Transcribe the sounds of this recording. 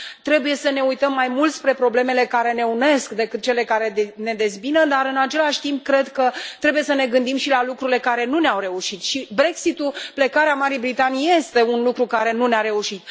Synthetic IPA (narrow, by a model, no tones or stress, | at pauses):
t̪ɾe̞buje̞səne̞ujt̪əmːajmult̪spɾe̞pɾo̞ble̞me̞le̞kaɾe̞ne̞une̞skd̪e̞kɨt̪̚t͡ʃe̞le̞kaɾe̞ne̞d̪e̞zbinəd̪aɾɨnat͡ʃe̞laʃʲt̪imp̚kɾe̞d̪kət̪ɾe̞buje̞səne̞ɡɨnd̪imʃilalukɾuɾile̞kaɾe̞nuneawɾe̞uʃit̪ʃibɾe̞ksit̪uple̞kaɾeamaɾijbɾit̪anijje̞st̪e̞unlukɾukaɾe̞nuneaɾe̞uʃit̪̚